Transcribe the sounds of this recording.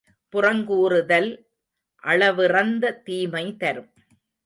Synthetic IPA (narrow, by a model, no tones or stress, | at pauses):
pʊrɐŋɡuːɾɯðɐl | ʔɐɭɐʋɯrɐnd̪ɐt̪iːmɐɪt̪ɐɾɯm